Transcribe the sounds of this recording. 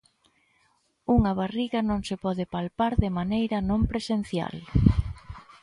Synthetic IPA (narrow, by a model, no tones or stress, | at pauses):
uŋɐβariɣɐnõŋsɪpɔðɪpalpaɾðɪmanejɾɐnõmpɾesen̟θja̰l